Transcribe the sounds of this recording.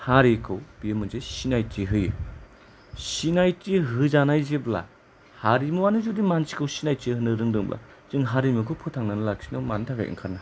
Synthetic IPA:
haɾikʰɯwb̥iɯmɯnzejsinajtʰiɦɯjɯ | sinajtiɦɯzanajzebla̰ | haɾimuwanɯzudimansi̥kʰɯwsinajtihɯnɯɾɯŋdɯŋblʔa̰ | z̥ɯŋɦaɾimɯkʰɯpʰɯtʰaŋnanɯlak̚sinawmantʰaɡa̰jʔɯ̰ŋkʰaɾna

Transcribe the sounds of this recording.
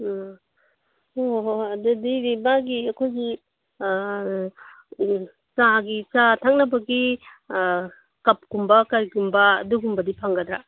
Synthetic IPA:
oɐdɐdiɾibaɡiɐkʰojɡi | t͡ʃaɡit͡ʃatʰaŋnɐbɐɡi | kɐp̚kumbɐkɐɾikumbɐ̰ːduɡumbɐdipʰaŋɡɐdɾa

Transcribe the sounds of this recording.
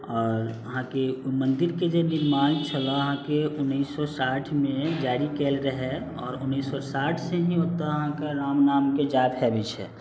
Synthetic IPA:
ɔːɾəɦãkemənd̪iɾked͡ʒeniɾmaːnt͡ʃʰəlɔəɦãkeunːisːɔsaʈʰmed͡ʒaɾikɛlɾəɦɛ | ɔ̰ːɾunːisːɔsaʈʰsẽɦĩot̪ːaəɦãkeɾamnaːmked͡ʒap̪ɦɛbɛt͡ʃʰɛ̰

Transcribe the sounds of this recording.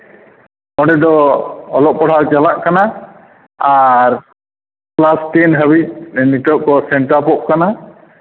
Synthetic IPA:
ɔɖɛd̪ɔɔlɔʔ̚pɔɽʰawt͡ʃalaʔkana | aɾ | plasʈɛnɦəbic̚niʈɔʔ̚kɔsɛɳʈapɔʔ̚kana

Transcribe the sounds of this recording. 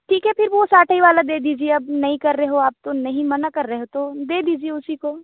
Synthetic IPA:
ʈʰiːkɦɛpʰɪɾʋosaːʈʰaiʋaːlad̪eːd̪iːd͡ʒieɐbnɐɦĩkɐɾːɐɦɦoaːp̚t̪onɐɦĩmɐnakɐɾːɐɦɦot̪od̪eːd̪iːd͡ʒieʊsiko

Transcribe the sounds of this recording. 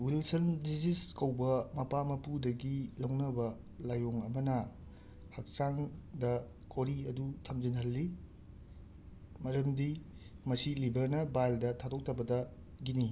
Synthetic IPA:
wilsɐndisiskɐwbɐmɐpamɐpudɐɡilɐwnɐbɐ | lajoŋɐmɐnɐ | hɐk̚saŋdɐ | kʰoɾiɐdutʰɐmd͡ʒinɦɐlːi | mɐɾɐmdi | mɐsilibɐɾnɐbajldɐtʰadok̚tʰɐbɐdɐ | ɡini

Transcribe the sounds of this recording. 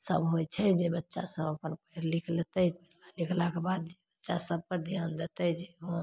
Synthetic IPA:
sə̰bɦot͡ʃʰɛd͡ʒebətːʃa̰səbəpənpəɾlikʰlet̪əpɛlalikʰlakebad̪̚d͡ʒebətːʃasəb̚kəɾd̪ʱjand̪et̪əd͡ʒeɦə̃

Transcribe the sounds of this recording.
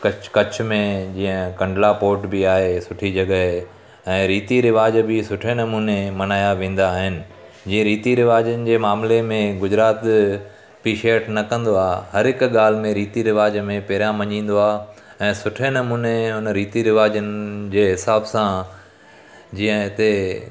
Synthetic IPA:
kɐkɐt͡ɕʰmẽd͡ʑĩːə̃kɐ̃ɳɖlapoːʈbɪaːɦesʊʈʰid͡ʑɐɠəɦ | ɛ̃ːɾiːt̪iɾɪʋaːd͡ʑbɪsʊʈʰenɐmuːnemɐnaːjaʋẽːn̆d̪aːɦɪnɪ̆ | d͡ʑĩːə̃ɾiːt̪iɾɪʋaːd͡ʑənɪ̆d͡ʑeːmaːmlemẽɡʊd͡ʑɾaːt̪ | piːʃeːʈnɐkɐ̃nd̪oaːɦɦɐɾɦɪkɠaːl̤ɪmẽɾiːt̪iɾɪʋaːd͡ʑmẽpɛɦɾijãmɐɲĩːn̆d̪oaːɦ | ɛ̃ːsʊʈʰenɐmuːneɦʊnɾiːt̪iɾɪʋaːd͡ʑənɪd͡ʑeːɦɪsaːbsã | d͡ʑĩːə̃ɪt̪e

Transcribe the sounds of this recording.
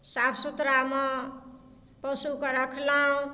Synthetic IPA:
sapʰsut̪ɾamʌ | pʌsukʌɾakʰlaũ

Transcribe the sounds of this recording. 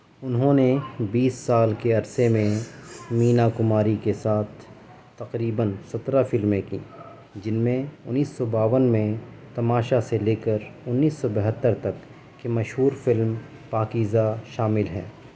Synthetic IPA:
ʊnɦõnebiːsːaːlkeɐɾsemẽmiːnakʊmaːɾikesaːt̪ʰː | ɐqɾiːbənsɐt̪ɾafɪlmẽkḭ̃ː | d͡ʒɪnmẽʊnːiːsːɔbaːʋənmẽ | t̪ɐmaːʃaseleːkəɾʊnːiːsːɔbɐɦət̪ːəɾt̪ɐkː | emɐʃɦuːɾfɪlm | paːkiːzaʃaːmɪlɦɛ̰ː

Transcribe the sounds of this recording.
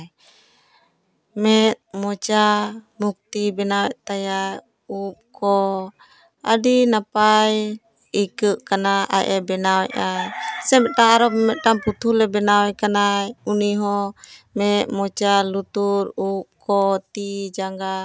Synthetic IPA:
mɛt̪̚mɔt͡ʃamuk̚t̪ibɛnawɛʔ̚t̪ajaj | up̚kɔ | əɖinapaj | ikəʔkanaʔa̰ʔɛbɛnawɛʔajsɛmɛʔ̪̚ʈaŋaɾɔmɛt̪̚ʈamput̪ʰulɛbɛnawɛkanajuniɦɔmɛt̪̚mɔt͡ʃalut̪uɾup̚kɔt̪id͡ʒaŋɡa

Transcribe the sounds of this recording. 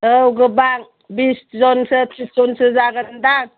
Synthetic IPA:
əwɡɯbaŋ | biszɔnsəpʰizɔnsɯzaɡandaŋ

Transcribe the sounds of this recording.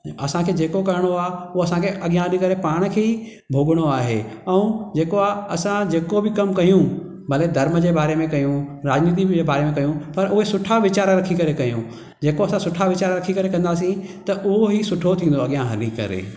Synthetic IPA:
ɐsãkʰeːd͡ʑeːkokɐɾɪɽ̃oaːʊɦoɐsãkʰeʔɐɠijãɦɐlikɐɾepaːɽ̃̆kʰeːi | bʱoːɠəɽ̃oaːɦḛɛ̃ũd͡ʑeːkoaːɐsãd͡ʑeːkobɪkɐmkɐjũ | bɐlked̪ʱɐɾməd͡ʑeːbaːɾemẽkɐjũɾaːd͡ʑniːt̪̬ibeːbaːɾemẽkɐjũpɐɾʊɦesʊʈʰaʋɪt͡ɕaːɾɾɐkʰikɐɾekɐjũ | d͡ʑeːkoɐsãsʊʈʰaʋɪt͡ɕaːɾɾɐkʰikɐɾekɐ̃nd̪aːsĩt̪ɐʔʊɦoɦisʊʈʰot̪ʰĩːnd̪oɐɠijãɦɐlikɐ̰ɾḛː

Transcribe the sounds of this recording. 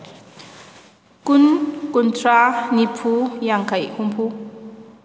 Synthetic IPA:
kunkuntʰɾanipʰujaŋkʰajhumpʰu

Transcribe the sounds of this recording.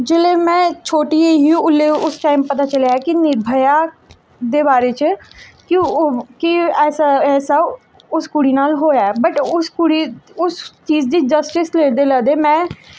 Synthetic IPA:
d͡ʒɪlemɛ̃t͡ʃʰoːʈieɦiʊleʊsʈaːɪmpɐt̪at͡ʃəlaɦɛkinɪɾbʱəja | d̪ebaːɾet͡ʃkikiɛːsaɛːsa | ʊskʊɽinaːlɦoːjaɛbəʈʊskʊɽiʊst͡ʃiːd͡ʒd̪id͡ʒəsʈɪsleːd̪eləd̪emɛ̃ː

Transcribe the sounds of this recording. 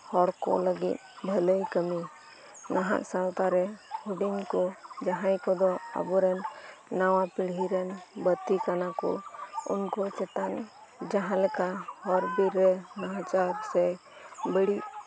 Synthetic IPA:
hɔɾkɔ̰ləɡḭt̪̚bʱɛləjkəmi | naɦa̰ʔsalt̪aɾɛhuɖinkɔd͡ʒaɦãjkɔd̪ɔə̰buɾɛnːawapiɽ̤iɾɛnbət̪ːikanakɔ̰ʊ̰nkɔt͡ʃɛt̪an | d͡ʒaɦãlɛkahɔɾbiɾɛnaɦãt͡ʃaɾsɛ | bəɽi

